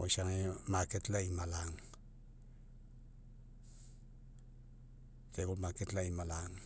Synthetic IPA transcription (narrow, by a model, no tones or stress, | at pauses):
oʃaŋemaketlaimalaŋ | kebomaketlaimalaŋ